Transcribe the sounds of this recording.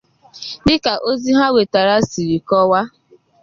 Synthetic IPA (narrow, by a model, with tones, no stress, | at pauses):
dɪ˦ka˨ʔo˦zi˦ɦa˦we˨ta˨ɾa˦si˨ɾi˨kɔ˦wa˦